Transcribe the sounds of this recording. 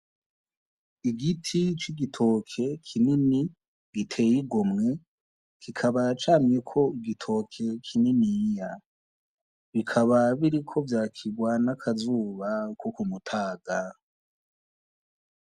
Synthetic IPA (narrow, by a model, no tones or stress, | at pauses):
iɡitʰit͡ʃiɡitʰo̞kʰe̞kʰinini | ɡ̥itʰe̞jiɡomŋe̞ | kikʰaβat͡ʃaːmjekʰo̞iɡitʰo̞kʰe̞kʰininija | βikʰaβaβiɾikʰo̞vjaːkʰiɡwanakʰazuːβakokumutʰaːɡa